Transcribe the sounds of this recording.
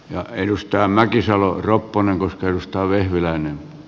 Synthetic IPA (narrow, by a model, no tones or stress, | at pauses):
jɑ̰edust̪ɑːmækisɑloropːoneŋkoskɑedust̪ɑːʋehʋilæinem